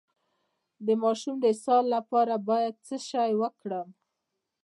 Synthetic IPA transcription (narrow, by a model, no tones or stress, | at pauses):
d̪əmɑʃumd̪əsɑlːapɑɾabɑjad̪̚t͡səʃajwəkɽəm